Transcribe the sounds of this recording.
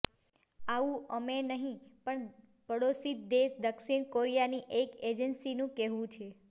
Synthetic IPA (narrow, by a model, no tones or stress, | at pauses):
aʋũəmenəɦĩpəɳ | pəɽosit̪̚d̪eʃd̪əkʃiɳkoɾijaniʔeked͡ʒənsinũkɛɦʋũt͡ʃʰe